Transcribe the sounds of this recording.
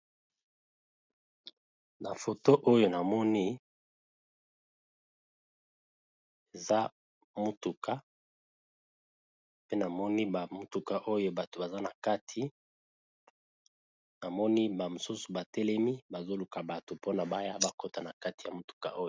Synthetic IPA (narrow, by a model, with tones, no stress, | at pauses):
na˨fo˨to˦ʔo˦jo˨na˨mɔ˦ni˦ | e˨za˦ | mo˦tu˨kʰa˦ | pe˦na˨mɔ˦ni˦ba˨mo˦tu˨ka˨ʔo˦jo˦ba˨to˨ba˨za˦na˨ka˦tʰi˦ | na˨mɔ˦ni˦ba˨mo˨su˦su˨ba˨tɛ˦lɛ˦mi˦ba˨zo˦lu˨ka˨ba˨to˨po˦na˨ba˦ja˦ba˨ko˨ta˨na˨ka˦ti˨ja˨mo˦tu̥˨ka˨ʔo˦jo˨